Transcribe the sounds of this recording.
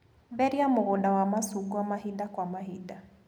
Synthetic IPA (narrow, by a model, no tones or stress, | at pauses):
bɛɾiamʊɣʊdawamasuɡuamaɦidakwamaɦida